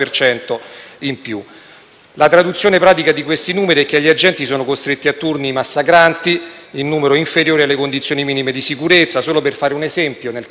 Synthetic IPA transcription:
ert͡ʃɛnt̪oimpju | lat̪ɾad̪ut̪sːjoːnepɾaːt̪ikad̪ikwest̪inuːmeɾiɛk̟ːeaʎːiad͡ʒɛnt̪isoːnokost̪ɾet̪ːiat̪ːurnimasːakɾant̪i | inːuːmeɾoiɱfeɾjoːɾialːekond̪it̪sːjoːnimiːnimed̪isikuɾet̪sːasoːloperfaːɾeunezɛmpjonel

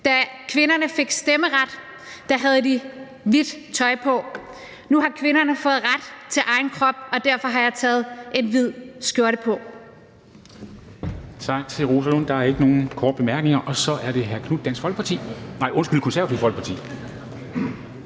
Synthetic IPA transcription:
d̥ækʰʋe̝nɐnəfe̝ɡ̥sd̥eməʁad̥ː | æɦæð̞̩ˠd̥i | ʋid̥t͡sʰɒ̽ɪpʰɒ̽ | nuɦɑ̈kʰʋe̝nɐnəfɔ̽ːð̩ˠʁad̥t͡sʰe̝lʔɑ̈ɪnkʰʁɒ̽b̥ɒ̽d̥æɐ̰fɒ̽ɦɑ̈jɑ̈ɪt͡sʰɛːð̞̩ˠe̝nʋið̞̰ˠsɡ̥joɐɾəpʰɒ̽ | t͡sʰɑ̈ɡ̥̚t͡sʰe̝lʁosælɔn̰d̥ɑ̈æɐe̝ɡ̥əno̝ːn̩kʰɒːd̥̚b̥emæɐɡ̥ne̝ŋɐʔɒ̽sɒ̽ʔæɐɾ̥e̝ɦæɐkʰnud̥d̥æn̰sɒ̽lɡ̥pʰɑt͡sʰḭːnɑ̈ɪʔɔ̽nsɡ̥yl̰kʰo̽nsæɐ̰ɐt͡sʰiʊfɒ̽l̰ɡ̥̚pʰɑ̈t͡sʰḭː

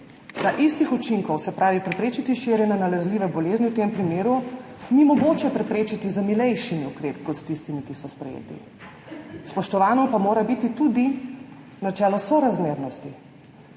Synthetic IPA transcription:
naʔist̪ixɔt͡ʃiŋkɔwsɛpɾaːʋipɾɛpɾeːt͡ʃit̪iʃiɾjɛnɛnalɛzliːʋɛbɔleːzniwt̪empɾimeːɾu | nimɔɡoːt͡ʃɛpɾɛpɾeːt͡ʃit̪izamilɛjʃimiukɾeːpi̥kɔt̪st̪ist̪imikisɔspɾɛ̰jḛːt̪ḭ | spɔʃt̪ɔʋaːnɔpamoːɾabit̪it̪ud̪i | nat͡ʃɛːlɔsɔɾazmeːɾnɔst̪i

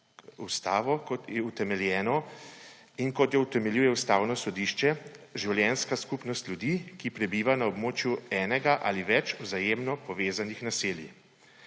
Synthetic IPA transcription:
ust̪aːʋɔkɔt̪jɛut̪ɛmɛljɛːnɔ | inkɔt̪jɛut̪ɛmɛljujɛust̪aːwnɔsɔd̪iːʃt͡ʃɛʒiwljɛːnskaskupnɔst̪lʲjud̪iːkipɾɛbiːʋanaɔbmoːt͡ʃjuɛːnɛɡaʔa̰liʋɛt͡ʃuzajeːmnɔpɔʋeːzanixnasiːlji

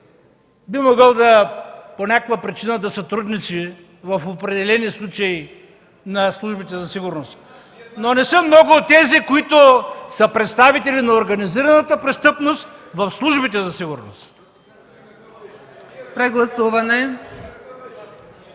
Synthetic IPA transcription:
bimoɡəlˠd̪ɐponʲakovɐpɾit͡ʃinəd̪ɐsɐt̪ɾud̪nit̪si | vɐfopɾɛd̪ɛlɛnislˠut͡ʃɐi | nɐslˠuʒbit̪ɛzɐsiɡʊɾnost̪ | nonɛsəmnɔɡʊːt̪ːɛzikoit̪ʊsəpɾɛt̪st̪avit̪ɛlinɐoɾɡɐniziɾɐnət̪əpɾɛst̪ɤpnost̪vɐfslˠuʒbit̪ɛzɐsiɡʊɾno̰st̪ | pɾɛɡlˠɐsuvɐnɛ

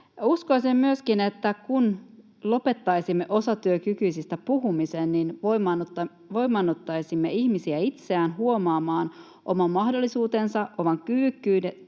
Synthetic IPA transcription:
uskoisemmyøskinet̪ːækun | lo̞pe̞t̪ːɑjsimːe̞ʔo̞sɑt̪yøkykyjsist̪æpuɦumisenninʋo | ʋo̞jmːɑnːot̪ːɑjsimːeiçmisiæit̪seæːnɦuo̞mɑːmɑːn | ʔomɑmːɑhdolːisuːt̪ensɑʔʔomɑŋkyːkːyːde

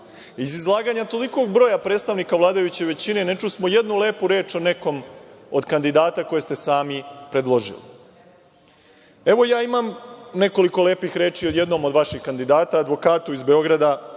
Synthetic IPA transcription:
izizlˠaːɡaɲat̪o̞liko̞ɡbɾo̞ːjapɾe̞ːt̪st̪aʋnikaʋlˠaːd̪ajut͡ɕe̞ʋe̞t͡ɕine̞ne̞t͡ʃusmoje̞d̪nule̞ːpuɾe̞ːt͡ʃo̞ne̞ko̞mod̪kand̪id̪aːt̪ako̞je̞st̪e̞saːmipɾe̞d̪lˠo̞ʒḭlḭ | e̞ʋo̞jaːimamne̞ko̞liko̞le̞ːpixɾe̞ːt͡ʃiod̪je̞d̪no̞mo̞d̪ʋaʃixkand̪id̪aːt̪aːd̪ʋo̞kaːt̪uizbeo̞ɡɾad̪a

